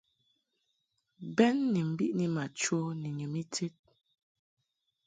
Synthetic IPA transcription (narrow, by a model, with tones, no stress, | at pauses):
bɛ˦nːi˨m̩˨bi˦ʔni˦ma˨t͡ʃo˦ni˨ɲu˨mi˦tʰe˦t̚